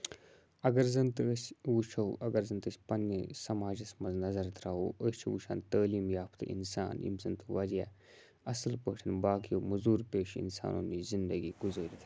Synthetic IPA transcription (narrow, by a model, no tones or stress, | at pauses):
ɐɡɐɾzɐnt̪ɨəsʋut͡ʃʰɐwʔɐɡɐɾzɐnt̪ɨsʲpɐnːisɐmaːd͡ʒɐsmɐnznɐzɐɾt̪ɾaːɦṵːəst͡ʃʰʋṵʃʰaːnt̪əːliːmjaːpʰt̪ʰɨ̰ʔḭnsa̰ːnḭmsɐnt̪ɨʋɐɾja̰ː | ɐsɐlpəːʈʰinbaːkijoːmɐzuːɾpeːʃḭnsa̰ːno̰ːniːzind̪əɡiːɡuzəːɾit̪ʰː